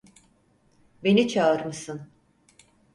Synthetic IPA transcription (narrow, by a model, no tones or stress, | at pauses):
be̞nit͡ʃʰaɯɾmɯsɯn